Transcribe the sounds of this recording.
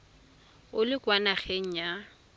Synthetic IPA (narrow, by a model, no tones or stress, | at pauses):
ʊlɪkwanaχeŋ̩ja